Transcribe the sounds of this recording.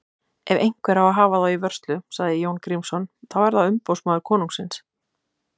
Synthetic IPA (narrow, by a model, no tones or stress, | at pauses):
ɛvejŋ̥kvɛɾawaɦaːvaðawivœr̥st̪lʏsaɣðɪjoːwnkɾimsɔnθawvɛɾðaʏmpowsmaːðʏɾkʰɔːnuŋsɪns